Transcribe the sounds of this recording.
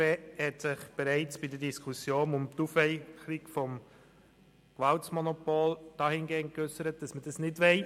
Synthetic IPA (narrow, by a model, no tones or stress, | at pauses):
eːhɛtsɪχb̥ɛɾaɪt͡sb̥idədiskʰusjoːnʊmtuːfɛɪxəɾiɡfɔm | kʋaltsmɔnɔpoːld̥ɑːhɪnɡeːnkʏsəɾət̚d̥ɑsməd̥ɑsnɪdvʋɛɪ